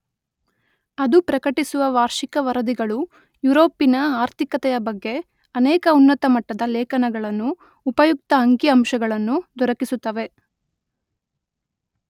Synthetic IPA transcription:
ɐd̪upɾɐkɐʈisuʋɐʋaːɾʂikɐʋɐɾɐd̪iɡɐɭu | juɾo̞ːpːinɐaːɾt̪ʰikɐt̪ɛjɐbɐɡːe̞ | ɐnɛːkɐunːɐt̪ɐmɐʈːɐd̪ɐlɛːkɐnɐɡɐɭɐnːuː | pɐjuk̚t̪ɐɐŋkjiɐmʃɐɡɐɭɐnːud̪ɔɾɐkisut̪ːɐʋe̞

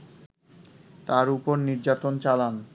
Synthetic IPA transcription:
t̪aɾupoɾniɾd͡ʑat̪ont͡ɕalan

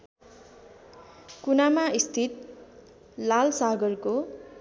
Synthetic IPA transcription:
kunamaist̪ʰit̪̚ | lalsaɡʌrko

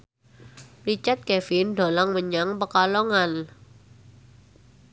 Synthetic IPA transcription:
rit͡ʃart̪̚kɛfɪnɖo̤lɔŋməɲaŋpəkaloŋan

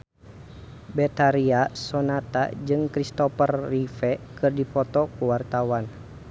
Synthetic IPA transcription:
bɛt̪aɾiasɔnat̪a̰d͡ʒɨŋkɾist̪ɔpərːifɛkɨrdipɔt̪ɔkuwart̪awan

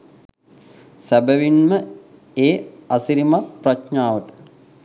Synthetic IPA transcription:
sæbəʋinmə | eːasiɾimapraʃɲaːʋəʈə̥

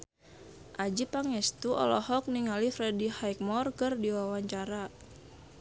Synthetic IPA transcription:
ʔad͡ʒipaŋɛst̪uʔɔ̰lɔhɔk̚niŋalifɾɛdihajk̚mɔrkɨrdiwawaɲt͡ʃaɾa

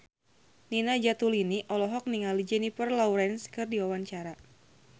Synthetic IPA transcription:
ninad͡ʒat̪uliniʔɔlɔɦɔk̚niŋalid͡ʒɛnifərlɔwɾɛnskɨrdiwawaɲt͡ʃaɾa

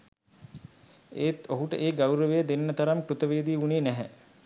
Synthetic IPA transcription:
ḛːt̪oɦuʈə̰ʔeːɡawɾəʋejd̪enːət̪aɾamkɾut̪əʋeːd̪iːuniːnæɦɛ

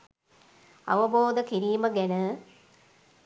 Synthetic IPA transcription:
ɐ̰ʋəboːd̪əkiɾiːməɡænə

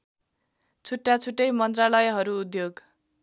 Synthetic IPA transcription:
t͡sʰuʈːat͡sʰuʈːʌjmʌnt̪ralʌjɦʌɾuːd̪joɡ

